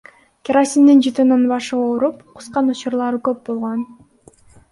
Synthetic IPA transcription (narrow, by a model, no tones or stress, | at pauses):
kʲeɾasʲind̪ind͡ʒɯt̪ɯnɯnbɑʃɯoɾupqʰu̥sqɑnut͡ʃuɾlˠɑɾɯkøp̚bo̞lˠʁon